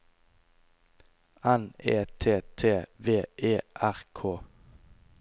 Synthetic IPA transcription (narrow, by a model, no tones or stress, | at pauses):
ʔæneːt̪ʰeːt̪ʰeːʋeːʔeːʔæʁkʰoː